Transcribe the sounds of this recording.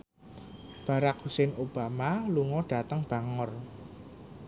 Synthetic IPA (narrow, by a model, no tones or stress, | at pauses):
b̥ä̤ɾak̚husɪnʔob̥amaluŋɔɖ̥a̤t̪əŋb̥a̤ŋʊr